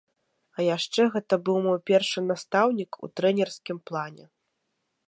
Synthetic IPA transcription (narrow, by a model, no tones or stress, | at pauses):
ɐjaʂt͡ʂɛɣɛt̪ɐbɨwmɔjpʲɛrʂɨnast̪awnʲikṵt̪ɾɛnʲɛrsʲkʲimplˠanʲɛ̰